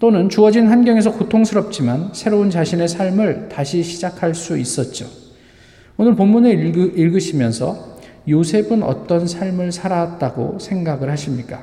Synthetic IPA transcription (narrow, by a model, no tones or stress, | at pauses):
t͈onɯnt͡ɕuʌd͡ʑinnɦanɡjʌŋe̞s̬ʰʌkotʰoŋsʰɯɾʌp̚t͡ɕ͈imansʰeɾount͡ɕaɕʰine̞sʰaɭmɯɭtaɕʰiɕʰid͡ʑakʰaɭs͈uis͈ʌt̚t͡ɕ͈o | onɯɭpomːuneiɭɡɯɕʰimjʌnsʰʌ̰ | josʰe̞bɯnʌ̰t͈ʌnsʰaɭmɯɭsʰaɾat̚t͈aɡo̰sʰe̞ŋɡaɡɯɭhaɕʰimɲik͈a